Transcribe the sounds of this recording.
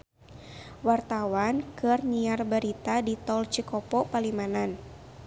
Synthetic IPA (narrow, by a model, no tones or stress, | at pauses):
wart̪awankɨrɲiarbaɾit̪adit̪ɔlt͡ʃikɔpɔpalimanan